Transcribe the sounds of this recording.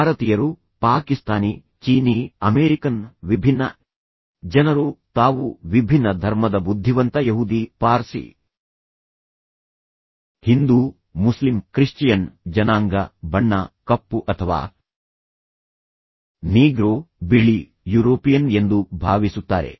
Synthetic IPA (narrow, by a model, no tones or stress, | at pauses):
aːɾɐt̪ijɐɾu | paːkist̪aːni | t͡ʃiːniɐmeːɾikɐnʋibʱinːɐ̰ | d͡ʒɐnɐɾut̪aːʋuʋibʱinːɐd̪ʱɐɾmɐd̪ɐbud̪ʱːiʋɐnt̪ɐjɐɦud̪ipaːɾsḭ | hind̪u | muslimkɾiʂt͡ʃijɐnd͡ʒɐnaːŋɡɐbɐɳːɐkɐpːuʔɐt̪ʰɐʋa̰ː | niːɡɾoːbiɭi | juːɾoːpijɐnend̪ubʱaːʋisut̪ːa̰ːɾe̞̰